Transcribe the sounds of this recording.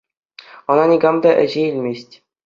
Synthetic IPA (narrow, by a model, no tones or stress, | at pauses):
ɤ̆nɑnʲiɡɑmd̪ɑʔɘ̰̆ʑeilʲmʲesʲtʲ